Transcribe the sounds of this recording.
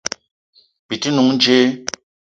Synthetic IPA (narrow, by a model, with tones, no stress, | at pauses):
bi˨ti˦nu˨ŋ˦d͡ʒe˦